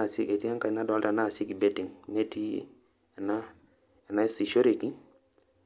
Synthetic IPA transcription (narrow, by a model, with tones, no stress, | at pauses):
si˦e˨ti˦a˦ŋka˨i˨na˦da˦lta˨na˦˨si˦ki˨be˦ti˨ŋne˦˨ti˦˨ | na˦ | e˨na˦si˨ʃo˦ɾe˨ki˦